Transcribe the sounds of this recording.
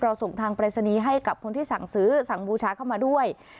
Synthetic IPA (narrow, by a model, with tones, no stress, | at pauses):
pɾɔː˧so˨˩ŋt̪ʰaː˧ŋpɾaː˧sa˧niː˧ɦa˥˩jka˨˩p̚kʰo˧nt̪ʰiː˥˩sa˨˩˦ŋsɯː˨˦˥sa˨˩˦ŋbuː˧t͡ɕʰaː˧˦˥kʰa˥˩wmaː˧du˥˩əj